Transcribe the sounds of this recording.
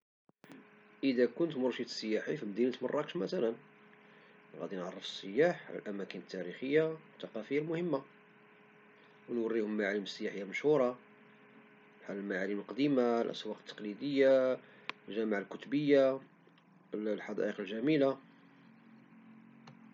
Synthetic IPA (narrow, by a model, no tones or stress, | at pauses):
ʔəd̪ækʊnt̪mʊɾˤʃit̪ə̥sːəjːaħifimd̪inət̪mrˤːɑkʃmæt̪ælən | ɣæ̰d̪inʕɑrˤːəfə̥sːəjːaħʕlæ̰lʔæmækənət̪ːæɾixəjːawət̪ːɑqɑfəjːalmʊhəmːa | wnwərːihʊmmaʕaləməsːəjaħəjːaməʃhuɾˤɑ | ħalːəlmaʕaləməlqd̪imalʔæ̰swɑqt̪ːɑ̥qlid̪əjːa | ʒæmaʕalkʊt̪bəjːa | lħɑd̪ˤɑ̰ʔəqəlʒæmila